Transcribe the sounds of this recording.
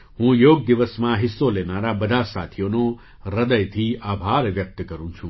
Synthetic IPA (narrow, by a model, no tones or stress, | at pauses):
hũjoɡ̚d̪iʋəsmãɦɪsːolenaɾabəd̪ʱasa̰t̪ʰijono | ɾəd̪əjt̪ʰiabʱaɾʋjək̚t̪kəɾũt͡ʃʰũ